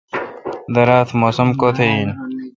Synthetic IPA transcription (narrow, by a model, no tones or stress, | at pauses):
d̪ɐɾaːt̪ʰmoːsɐmkoːt̪ʰeiːn